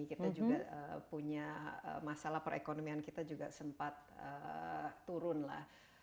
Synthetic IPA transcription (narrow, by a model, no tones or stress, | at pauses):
kit̪ad͡ʒuɡa̰əpuɲaə̰masalahpəɾʔḛkonomiankit̪ad͡ʒuɡasəmpat̪̚ə̰ | uɾʊnla̰h